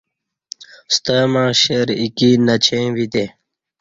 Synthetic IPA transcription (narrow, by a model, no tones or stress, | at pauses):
st̪əmãːɕeɾikinɐt͡ɕʰẽʋit̪e